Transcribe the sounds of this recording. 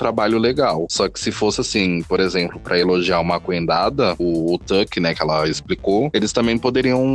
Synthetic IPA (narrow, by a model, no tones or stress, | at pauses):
t̪ɾabaʎʊleɡawsɔkɪ̥sɪfosɪasĩpoɾezẽmplʊpɾʔɐeloʒiaũmɐkuẽnd̪ad̪ɐʊːt̪əkɪnɛkɪɛlɐisplikoelɪst̪ɐ̃mbẽj̃pod̪eɾiɐ̃w̃